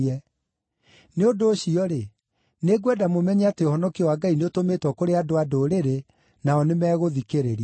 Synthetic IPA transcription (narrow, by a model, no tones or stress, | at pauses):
ɛ | neondoːɕiɔɾe | neɡwɛdamomɛɲɛateohɔnɔkiɔwaɡaineotomeːtwɔkoɾeadoadoɾeɾe | naɔnemɛːɣoðikeɾeɾi